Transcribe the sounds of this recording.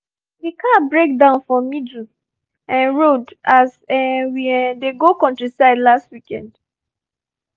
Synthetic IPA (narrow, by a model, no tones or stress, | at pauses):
dikʰabɹek̚dãʊ̃nfɔmidl̩ | ãnɹodasɛwiɛdeɡokɔ̃ntɹisaɪdlastwikɛ̃nd